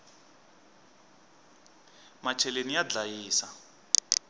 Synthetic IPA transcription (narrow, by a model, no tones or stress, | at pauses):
mat͡ʃʰɛlenijad͡ɮajiːsa